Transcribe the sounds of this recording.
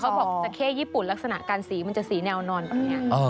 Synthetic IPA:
kʰa˦˥bɔː˨˩a˨˧˩kʰeː˥˩jiː˥˩pu˨˩nla˦˥k̚sa˧na̰˨˩ʔkaː˧nsiː˩˦ma˧nt͡ɕa˨˩ʔsiː˩˦nɛː˧wnɔː˧nbɛː˨˩p̚ni˦˥ɐ˩əː˧

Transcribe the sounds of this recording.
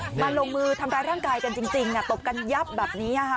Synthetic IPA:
ma˧nloː˧ŋmɯː˥˩t̪ʰa˧mɾaː˧jɾaː˥˩ŋkaː˧jka˧nt͡ɕi˧ŋt͡ɕi˧ŋʔa˧˩t̪o˨˩p̚ka˧nja˦˥p̚bɛː˨˩p̚niː˦˥ʔa˧˩kʰa˦˥

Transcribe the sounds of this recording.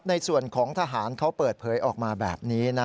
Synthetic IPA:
na˧jsu˨˩ənkʰɔː˩˦ŋt̪ʰa˧ɦaː˩˦nkʰa˦˥wpɤː˨˩t̪̚pʰɤː˨˦jʔɔː˨˩k̚maː˧bɛ̰ː˨˩p̚niː˦˥na˦˥

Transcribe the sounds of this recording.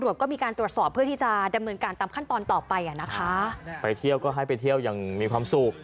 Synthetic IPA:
ɾət̪̚kɔː˥˩miː˧kaː˧nt̪ɾu˨˩ət̪sɔː˨˩pʰːɯ˥˩t̪iː˥˩t͡ɕa˨˩da˧mnɤː˧nkaː˧nt̪aː˧mkʰa˥˩nt̪ɔː˧nt̪ɔː˨˩pa˧jʔa˨˩na˦˥kʰa˦˥pa˧jt̪ʰi˥˩əwkɔː˥˩ɦa˥˩jpa˧jt̪ʰi˥˩əwjaː˨˩ŋmiː˧kʰwaː˧msu˨˩k̚

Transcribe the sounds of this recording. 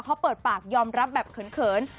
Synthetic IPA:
kʰa˦˥wpɤː˨˩t̪̚paː˨˩k̚jɔː˧mɾa˦˥p̚bɛː˨˩p̚kʰɤ˩˦nkʰɤː˨˩˦n

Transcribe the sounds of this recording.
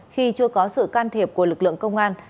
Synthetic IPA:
xi˧t͡ɕɨ˧əkɔ˨˦sɨ̰˧˨kaː˧nt̪ʰe˨˩p̚ku˧˩əlɨ˨˩k̚lɨ̰˧˨əŋkə˧wŋ͡mʔaː˧n

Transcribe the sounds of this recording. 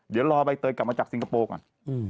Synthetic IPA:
ɗi˨˦lɔ˧hɓa˧j̚t̪əːjka˧˩mːa˧t͡ɕa˧˥k̚si˧ŋkʰa˧poː˧k̚ʔa̰˩n̩ː˧

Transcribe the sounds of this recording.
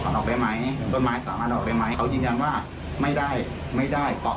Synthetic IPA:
ɔː˨˦˥nʔɔː˨˩k̚daː˥˩jma˦˥jt̪o˧˩maː˨˦˥jsaː˨˩˦maː˥˩t̪ʔɔː˨˩k̚daː˦˥˩ma˦˥jkʰa˦˥wjɯː˧nja˧nwaː˥˩ | ma˥˩jdaː˥˩j | ma˥˩jdaː˥˩jpɔ˧˩

